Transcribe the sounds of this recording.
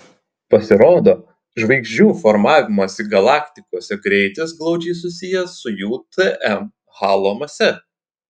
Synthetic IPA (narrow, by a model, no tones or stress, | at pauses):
pɐsʲɪɾoːd̪oː | ʒʋɐɪɡʒʲd͡ʒʲuːfɔɾmɑːʋʲɪmɐsiɡɐlˠɑːkʲt̪ʲɪkoːsʲɛɡɾʲɛɪt̪ʲɪsɡlˠɒʊd͡ʒʲɛɪs̬ʊsʲɪjɛsʊjuːt̪ɨʔɛm | hɑːlˠoːmɐsʲɛ